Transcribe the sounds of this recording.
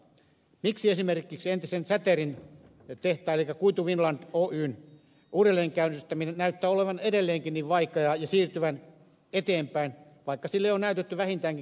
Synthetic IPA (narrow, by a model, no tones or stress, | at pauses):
miksiesimerkˑiksent̪isensæt̪erin | t̪eht̪ˑɑːelikːækuit̪uʋinlɑnd̪̥oːʔyːn | uːdelːeːŋkæynːyst̪æminenæyt̪ːæːoleʋɑnedelːeːŋkinniːʋʋɑikejɑjɑsiːrt̪yʋæn | et̪eːmpæin | ʋɑikːɑsilːeijonæyt̪et̪ːyʋæhint̪æːŋki